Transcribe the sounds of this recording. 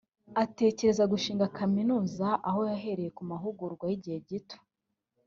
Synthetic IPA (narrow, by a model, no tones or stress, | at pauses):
ate̞ːce̞ɾe̞zaɡuʃiːŋɡakʰaminuːzaʔaɦo̞jaɦe̞ɾe̞je̞kumaɦuɡuɾɡwajiɟihe̞ɟitʰo̥